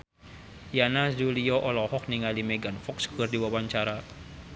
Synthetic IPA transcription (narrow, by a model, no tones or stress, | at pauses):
janad͡ʒuliɔʔɔlɔhɔkniŋalimeɡanfɔksɡərdiwawaɲt͡ʃaɾa